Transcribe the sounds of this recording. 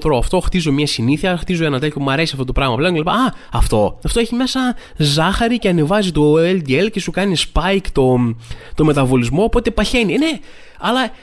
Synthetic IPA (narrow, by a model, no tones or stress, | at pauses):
t̪ɾoɐft̪o̞xt̪izo̞mɲɐsiniθiɐɾɐxt̪izo̞enɐt̪eço̞mɐɾe̞siɐft̪o̞t̪o̞pɾɐɣmɐpleɲcelipaɐɐft̪o̞ɐft̪o̞eçime̞sɐ | zɐxɐɾiceɐne̞vɐzit̪o̞eld̪ielce̞sukɐnispɐjkt̪o̞t̪o̞me̞t̪ɐvo̞lizmo̞ːpo̞t̪e̞pɐçe̞nine̞ | ɐlɐ